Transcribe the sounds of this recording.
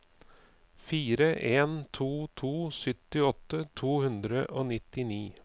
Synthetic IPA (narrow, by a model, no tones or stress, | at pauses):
fiːɾəʔeːnt̪ʰuːt̪ʰuːsʏt̪ɪɔt̪ːət̪ʰuːhʉnd̪ɾəʔoːnɪt̪ɪniː